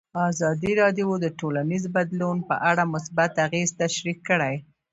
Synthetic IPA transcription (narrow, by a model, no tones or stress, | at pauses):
azɑd̪iɾɑd̪jod̪əʈolanizbad̪lunpə̰ʔaɽamʊsbat̪aɣezt̪aʃɾikːəɽaj